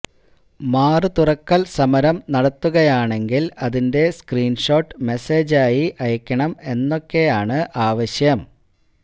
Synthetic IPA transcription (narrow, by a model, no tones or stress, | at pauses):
maːrɨt̪urɐkːɐlsɐmɐɾɐmnɐɽɐt̪ːuɣɐjaːɳe̞ŋɡilɐðinde̞skriːnʂo̞ːʈːɨme̞seːd͡ʑaːjiʔɐjɐkʲːɐɳɐme̞nːo̞kːe̞jaːɳɨʔaːʋɐɕjɐm